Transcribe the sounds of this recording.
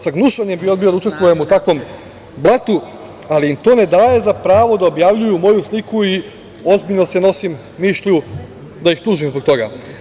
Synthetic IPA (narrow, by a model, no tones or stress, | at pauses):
saɡnuʃaɲembio̞d̪bijo̞d̪aut͡ʃe̞st̪ʋujemut̪akʋo̞m | blˠat̪u | aliimt̪o̞ːne̞d̪aːje̞zapɾaːʋo̞d̪aobjaʋʎujumo̞juslikui | o̞zbiʎnose̞no̞simːiʃʎu | d̪ajixt̪uːʒimzbo̞ɡ̚t̪o̞ɡa̰